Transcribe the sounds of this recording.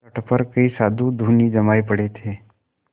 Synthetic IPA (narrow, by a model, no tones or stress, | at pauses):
əʈpəɾkəiːsad̪ʱud̪ʱuniːd͡ʒəmajpəɽet̪ʰe